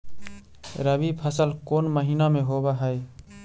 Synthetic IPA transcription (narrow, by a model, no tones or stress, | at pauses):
ɾəbipʰəsəlkonməɦinameɦobaɦəj